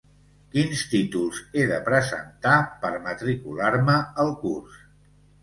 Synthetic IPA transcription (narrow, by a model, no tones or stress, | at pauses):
kinst̪it̪ulˠzeðəpɾəzə̰nt̪apəɾmət̪ɾikulaɾməəlˠkurs